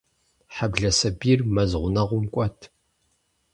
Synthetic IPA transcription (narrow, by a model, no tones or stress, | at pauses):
ħabɮɐsɐbiːrmɐzʁʷʊnɐʁʷʊmkʷʼɔtʰ